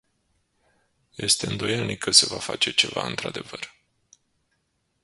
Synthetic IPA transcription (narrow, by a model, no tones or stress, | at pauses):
je̞st̪e̞ɨnd̪o̞je̞lnikʰːəse̞vafat͡ʃe̞t͡ʃe̞vaɨnt̪ɾad̪e̞vər